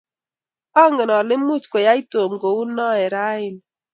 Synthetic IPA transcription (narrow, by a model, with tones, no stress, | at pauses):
ɔ˦ŋɪ˨nɔ˨lɪ˦mu˦˨t͡ʃke˨ja˦i˦to˨mɡo˨u˦nːɔ˦ɛ˨ɾa˦ɪ˨n